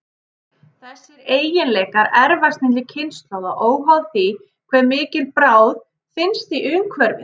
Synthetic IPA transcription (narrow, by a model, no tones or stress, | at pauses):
θɛsːɪɾeːjɪnlɛːjkaɾɛɾvast̪nɪnt̪lɪcʰɪnst̪lawðaʔoːwmawðθi | kʰvɛɾmɪːcɪlpɾaːwð | fɪnst̪iʔʏːmkʰvɛɾvɪ